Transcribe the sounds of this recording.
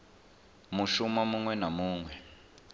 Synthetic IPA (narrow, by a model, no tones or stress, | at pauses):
muʃumamuŋwɛnamuːŋwɛ